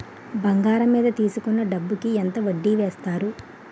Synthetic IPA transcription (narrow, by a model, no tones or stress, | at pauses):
bɐŋɡaːɾɐmːiːd̪ɐt̪iːsukunːɐɖɐbːukient̪ɐʋɐɖːiːʋeːst̪aːɾu